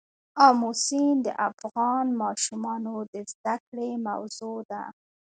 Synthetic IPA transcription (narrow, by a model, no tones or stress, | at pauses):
ɑmusind̪ə̰ʔafɣɑnmɑʃumɑnod̪əzd̪akɽema̰wzod̪a̰